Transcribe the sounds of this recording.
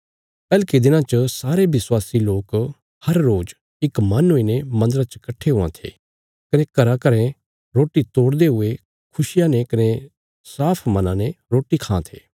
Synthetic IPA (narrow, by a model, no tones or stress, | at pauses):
pɛːlkid̪ɪnãt͡ʃəsaːɾeʋɪswaːsiloːk | hɐɾːoːd͡ʒ | ɪkmɐnɦoinemɐ̃nd̪əɾat͡ʃəkɐʈʰːeɦʊã̰t̪ʰḛː | kɐnekɐɾakɐɾẽ | ɾoːʈːit̪oːɽd̪eɦʊe | kʰʊsɪjãnekɐne | saːpʰmɐnãneɾoːʈikʰãːt̪ʰḛː